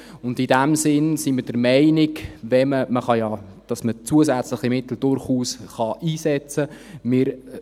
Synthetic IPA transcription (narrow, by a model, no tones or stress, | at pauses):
ʊndidæmsɪnsiməd̥əɾmɛɪnɪɡvɛməməχɑjɑ | d̥ɑsmət͡suəsæt͡slɪχimɪt̪l̩d̥ʊɾχuːsχɑʔiːsɛt͡sə | mɪɾ